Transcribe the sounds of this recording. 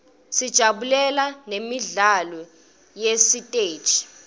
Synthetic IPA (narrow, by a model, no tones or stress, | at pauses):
sid̥ʒ̥ʱaɓulɛlanemiɮalɔ | jesitʼeːd̥ʒ̥ʱi̥